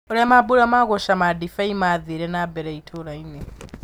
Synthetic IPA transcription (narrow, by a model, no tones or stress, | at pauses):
ɔlɛmabulamakɔʃamadifaimaðiɾɛnabɛɾɛitʰɔlainɛ